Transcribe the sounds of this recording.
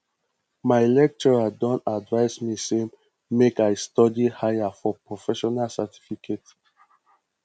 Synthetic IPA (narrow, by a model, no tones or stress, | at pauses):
maɪlɛk̚t͡ʃɔɹadɔ̃ntadvaɪsmisem | mekaɪstɔdihajafɔpɹɔfɛʃɔnalsɛtʰi̥fikʰet